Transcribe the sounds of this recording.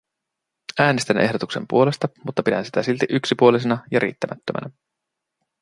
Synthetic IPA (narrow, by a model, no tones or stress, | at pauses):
æːnest̪ænʔe̞ɦdo̞t̪ukse̞̰mpṵo̞le̞st̪ɑmut̪ːɑpidæ̰nsit̪æsilt̪iʔyksipuolis̬enɑjɑɾʔḭːt̪ːæmæt̪ːømʔæ̰næ